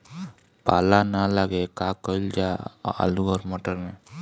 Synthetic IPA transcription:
paːlanaləɡekaːkəld͡ʒaa̰luɔːɾmoːʈəɾmẽː

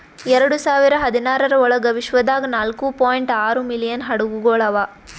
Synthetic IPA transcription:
ɛɾɐɽusaːʋiɾɐɦɐd̪inaːɾɐɾɐɔɭɐɡɐʋiʃʋɐd̪aːɡɐnaːlkupaːjɳʈaːɾumilijɐnɦɐɽuɡuɡoːɭɐʋaː

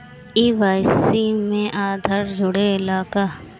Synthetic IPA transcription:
iːʋaːjsimẽʔaːd̪ʱəɾd͡ʒʱʊɽeɪlaːka

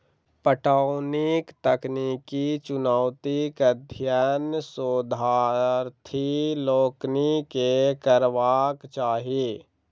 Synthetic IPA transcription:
pəʈaːʊnɪkt̪əknikit͡ʃʊnaːwt̪ikəd̪ʱjanəsod̪ʱaːɾt̪ʰiloːknikekəɾʋaːkt͡ʃaːɦie

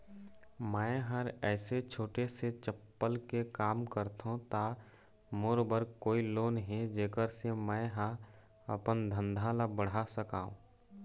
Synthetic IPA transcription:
mə̃ɪɦəɾɛːset͡ʃʰoːʈeset͡ʃəpːəlkekaːmkəɾt̪õt̪a | moːɾbəɾkoːiloːnɦed͡ʒeːkəɾsemɛ̃ɦã | ə̰pənd̪ʱə̃nd̪ʱãlabəɽ̤asəkaːṵ̃ː

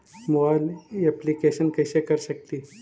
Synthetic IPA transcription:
mobajleplikeɕənkəjsekəɾsəkt̪iː

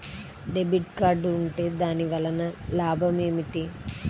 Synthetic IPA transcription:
ɖebiʈkaːɾɖuɳʈe̞ːd̪aːniʋɐlɐnɐlaːbʱɐme̞ːmiʈi

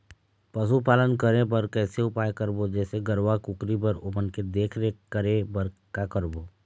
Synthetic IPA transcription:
pɐs̬upaːlənkəɾẽp̬ɐɾkɛːseʊpaːjekəɾbod͡ʒɛːseɡəɾʋakʊkɾip̬əɾʊpənked̪eːkʰɾekəɾẽbɐɾkakəɾboː

